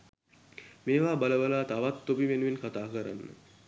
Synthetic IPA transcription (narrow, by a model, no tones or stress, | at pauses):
meːʋaːbaləʋəlaːt̪aʋat̪ːopiʋenuʋenkat̪aːkəɾa̰nːə̰